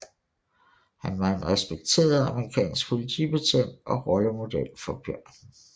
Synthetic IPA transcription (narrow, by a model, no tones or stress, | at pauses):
hænʋɑ̈e̝nʁɛsb̥eɡ̥̚t͡sʰe̝̰ːɐðˠɑməʁikʰɛ̰ːnsɡ̥̚pʰo̝lit͡sʰib̥e̝t͡sʰen̰d̥ɒ̽ʁɒ̽ləmo̝d̥el̰fɒ̽b̥jɶɐ̰n